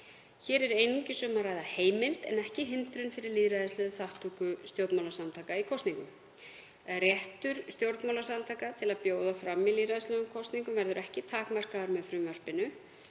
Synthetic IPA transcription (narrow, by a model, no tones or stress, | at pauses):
çɛːɾɛɾejniɲcɪsœːmaraːjðaheːjmɪlt̪ɛ̰nɛhcɪɦɪnt̪ɾʏnfɪɾɪɾliðɾajðɪslɛːðʏθaht̪ʰukʏst̪jowɾt̪mawlasamt̪ʰaːkaikʰɔst̪niŋkʏm | rjɛht̪ʏɾ̥st̪jowɾt̪mawlasamt̪ʰaːkat̪ʰɪlaðpjoːwðafɾamːiliðɾajðɪslœːðʏmkʰɔwst̪niŋkʏmvɛɾðʏɾɛhcɪt̪ʰaːkmar̥kaðaɾmɛðfɾʏːmar̥pɪnʏ